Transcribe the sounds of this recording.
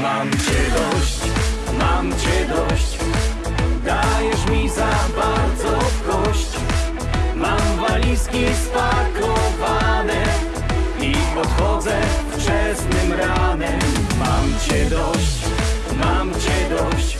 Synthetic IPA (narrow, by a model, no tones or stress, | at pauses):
mamt͡ɕɛd̪ɔɕt͡ɕ | mamt͡ɕɛd̪ɔɕt͡ɕ | d̪ajɛʂmʲizabaɾd̪zɔfkɔɕt͡ɕ | mamvalʲiskʲɛspakɔvanɛ | ipɔt̪xɔd̪zɛft͡ʂɛsnɘmɾanɛmmamt͡ɕɛd̪ɔɕt͡ɕ | mamt͡ɕɛd̪ɔɕt͡ɕ